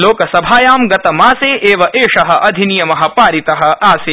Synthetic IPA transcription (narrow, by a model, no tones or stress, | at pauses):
loːkɐsɐbʱaːjaːmɡɐt̪ɐmaːseːʔeːʋɐʔeːʂɐɦɐ̆ʔɐd̪ʱinijɐmɐɦɐ̆paːɾit̪ɐɦɐ̆aːseː